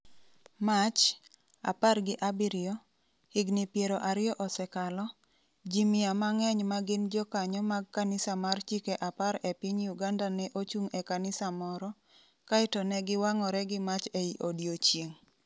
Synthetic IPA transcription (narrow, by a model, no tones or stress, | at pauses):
mat͡ʃ | a̰parɡɪʔabiɾɪjɔ | hɪɡnɪpjeɾɔʔaɾɪjɔʔɔsɛkalɔ | d͡ʒimɪamaŋɛɲmaɡɪnd͡ʒɔkaɲɔmaɡ̚kanɪsamart͡ʃikeʔapaɾɛpɪɲjuɡandanɛʔot͡ʃuŋɛkanɪsamɔɾɔ | kaɪtɔnɛɡɪwaŋɔɾɛɡɪmat͡ʃeiʔodjot͡ʃjeŋ